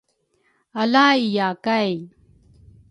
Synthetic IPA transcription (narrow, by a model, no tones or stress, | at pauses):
ɐlaːijaːkaj